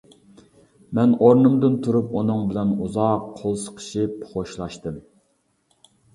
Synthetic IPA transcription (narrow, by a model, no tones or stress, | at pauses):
mɛnoɾnɨmd̪ɨnt̪ʰuɾupunɨŋbɪlɛnuzɑqʰːolˠsə̥qʰə̥ʃipχoʃlˠɑʃt̪ɨm